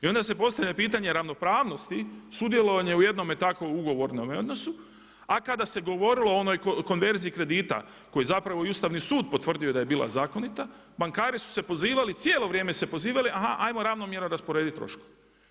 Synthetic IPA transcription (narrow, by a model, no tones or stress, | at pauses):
io̞nd̪ase̞po̞st̪aʋʎʲapiːt̪aɲe̞ɾaʋno̞pɾaːʋno̞st̪isud̪je̞lˠo̞ʋaɲe̞uje̞d̪nomet̪akouɡo̞ʋo̞ɾnomo̞d̪no̞su | akad̪ase̞ɡo̞ʋo̞ɾilo̞ono̞jkoko̞nʋe̞ɾziikɾe̞d̪iːt̪a̰ | ko̞jezapɾaʋo̞iust̪aʋnisuːd̪̚po̞t̪ʋr̩d̪ijo̞d̪aje̞biːlˠa̰zaːko̞nit̪a | baŋkaːɾisu̥se̞po̞ziːʋalit̪sjeːlo̞ʋɾje̞ːme̞se̞po̞ziːʋaliʔaɦaʔajmo̞ɾaːʋnomje̞ɾnoɾaspo̞ɾe̞ːd̪it̪ːɾo̞̰ʃku̥